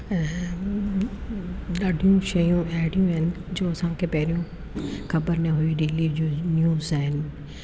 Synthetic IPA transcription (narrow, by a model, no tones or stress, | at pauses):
ɗaːɖʱijũʃɐjũaɦɪɽijũɦɪnɪ̆d͡ʑoːɐsãkʰeːpɐɦɪɾijũ | xɐbəɾnəɦuiɗeːlid͡ʑoːnjuːzaːɦɪnɪ̆